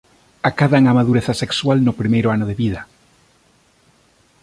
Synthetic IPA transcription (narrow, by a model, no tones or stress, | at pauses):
akaðaŋamaðuɾeθasekswalnopɾimejɾoanoðeβið̞a